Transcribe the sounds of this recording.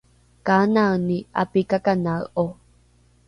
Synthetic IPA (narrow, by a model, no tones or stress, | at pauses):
kanaɯniʔa̰pikakanaɯʔo